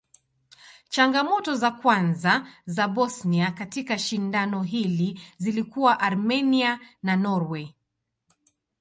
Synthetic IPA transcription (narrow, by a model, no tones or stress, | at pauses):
t͡ʃaŋɡamɔtɔzakwanzazabɔsniakatikaʃindanɔɦilizilikuwaʔaɾmɛniananɔɾwɛ